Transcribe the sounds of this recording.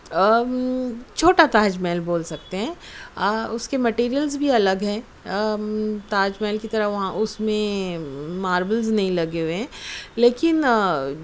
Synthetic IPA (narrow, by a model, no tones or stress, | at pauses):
t͡ʃʰoːʈat̪aːd͡ʒmɛːlboːlsɐk̚t̪eɦɛ̃ː | əʊskemɐʈiːɾijəlzbʱiɐləɡɦɛ̃ | t̪aːd͡ʒmɛːlkit̪ɐɾəɦʋɐɦãʔʊsmẽ | maːɾʋəlznɐɦĩlɐɡeʊeɦɛ̃ːleːkɪn